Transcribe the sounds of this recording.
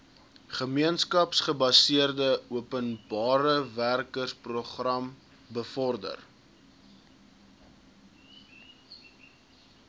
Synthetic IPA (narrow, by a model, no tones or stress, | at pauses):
χəmiənskɐpsχəbɐsiərdəuəpənbɑːɾəværkərsproχrɐm | bəfɔrdə̰r